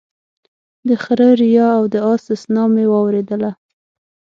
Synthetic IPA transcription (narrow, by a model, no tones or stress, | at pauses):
d̪əxaɾəɾijɑawd̪əɑsɪsnɑmewɑwɾed̪əla